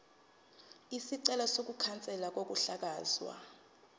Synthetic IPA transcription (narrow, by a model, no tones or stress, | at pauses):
isiǀɛlɔsok̬ukʰant͡sʼɛlak̬ok̬ʼuɬak̬aːzwa̰